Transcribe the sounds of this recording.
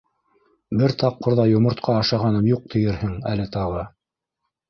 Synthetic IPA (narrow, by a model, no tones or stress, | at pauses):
bɘɾt̪ɑq̚qːŏɾðɑjŏmŏɾt̪qʰɑːʃɑʁɑnɤmjuq̚t̪ʰɘ̆jɘɾhɘŋælɘt̪ɑʁɤ